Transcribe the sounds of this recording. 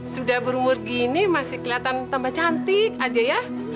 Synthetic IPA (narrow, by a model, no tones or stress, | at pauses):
sudahbəɾumʊrɡinimasɪhkəliat̪ant̪ambat͡ʃant̪ɪkad͡ʒaja